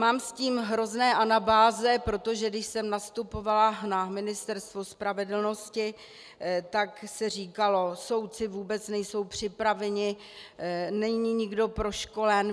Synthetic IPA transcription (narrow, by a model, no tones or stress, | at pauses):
maːmsciːmɦɾo̞znɛːʔanabaːzɛpɾo̞t̪o̞ʒɛɡdɪʃsɛmnast̪upo̞valanamɪnɪst̪ɛɾst̪vo̞spɾavɛdl̩noscɪ | t̪aksɛr̝iːkalo̞so̞wt̪t͡sɪvuːbɛt͡snɛjso̞wpr̝̥ɪpɾavɛɲɪ | nɛɲɲiɲɪɡdo̞pɾo̞ʃko̞lɛn